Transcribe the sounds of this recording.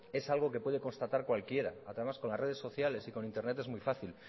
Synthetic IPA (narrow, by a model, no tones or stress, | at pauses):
e̞salɣ̞o̞ke̞pwe̞ð̞e̞ko̞nst̪at̪aɾkwalkje̞ɾa̰aðemasko̞nlare̞ð̞esːo̞θjale̞siko̞nĩnt̪e̞ɾne̞t̪emujfaθil